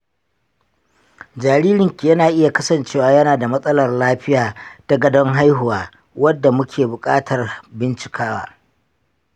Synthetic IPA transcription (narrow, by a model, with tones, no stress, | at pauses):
d͡ʒaː˨ɾiː˦ɾɪ˨ŋkʲi˨jɐ˦naː˨ʔɪ˦ja˨kɐ˦sɐ˨nt͡ʃeː˦waː˨jɐ˦naː˨da˨mɐ˦sʼɐ˦lɐ˨rlaː˦ɸɪ˦jaː˨ta˦ɡɐ˨dɔ˦ŋɦa˦jɦʊ˨waː˨˦ | wɐ˦dːa˨mʊ˦kʲʰeː˨bʊ˨kʼa̰ː˦tʰɐ˨rbɪ˦nt͡ʃɪ̥˨kʰaː˦wa̰ː˦